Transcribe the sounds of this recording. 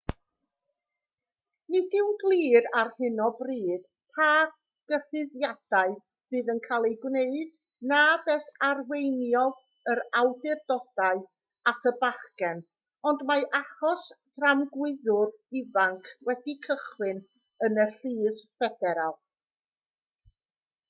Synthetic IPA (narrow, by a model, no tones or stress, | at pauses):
nɪdɪwɡlˠiːɾarhɪnɔbriːd̥ | pʰaː | ɡ̥ərɨðjad̥aɨ | vɨːðənkʰalˠejɡwneɨd | nabɛθarwejnjɔð | əɾawdɪrdɔd̥aɨ | atʰəbaχɡɛn | ɔndmaʔaχɔsd̥ramɡwɪðʊrɪvaŋkʰwɛdikʰəχwɨn | ənəɬiːðfɛdɛɾalˠ